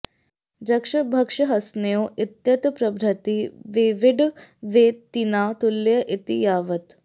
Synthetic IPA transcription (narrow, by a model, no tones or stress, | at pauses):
d͡ʑɐkʂɐbʱɐkʂəɦɐsnoːʔit̪jɐt̪pɾɐbʱɾɐt̪iʋeʋiɖʋet̪ːinat̪ulːjəʔit̪ijaʋət̪